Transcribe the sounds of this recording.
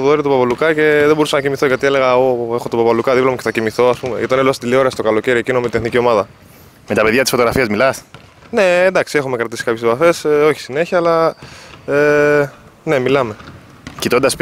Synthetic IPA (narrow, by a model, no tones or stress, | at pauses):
ðoɾit̪opɐpɐlukɐce̞ðebo̞ɾusɐnɐcimiθo̞ʝɐt̪iele̞ɣɐoe̞xo̞t̪opɐpɐlukɐðiplomoceθɐcimiθo̞ɐspume̞ʝɐt̪ɐnelst̪ileo̞ɾeɐst̪o̞kɐloce̞ɾiecinomet̪inenicio̞mɐðɐ | met̪ɐpeðʝɐt̪isfooɣɾɐfiɐzmilɐs | ne̞ːnd̪ɐksie̞xume̞kɾɐt̪isi̥kɐpçespɐfe̞so̞çi̥sine̞çiɐːlɐ | e | ne̞milɐme̞ | cit̪ond̪ɐs